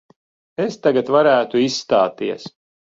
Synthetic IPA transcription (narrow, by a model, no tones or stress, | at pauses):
est̪aɡat̪vaɾæːt̪uisːt̪aːt̪iɛs